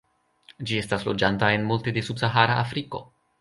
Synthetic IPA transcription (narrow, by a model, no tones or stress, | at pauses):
d͡ʒie̞staslo̞d͡ʒantae̞nmultede̞subsaɦaɾaʔafɾiko̞̰